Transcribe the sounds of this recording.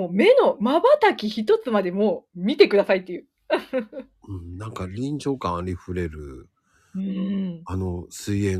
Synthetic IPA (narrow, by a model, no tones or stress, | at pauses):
oːme̞no̞mabat̪akʲiçit̪o̞t͡sɨmad̪e̞moːmʲit̪e̞kɯ̟d̪asait̪ːejɯ̟ː | ɯ̃ɴnãŋkaɾʲĩɲd͡ʑo̞ːkãɾʲiɸɯ̟ɾe̞ɾɯ̟̰ | ɯ̃anosɨiẽ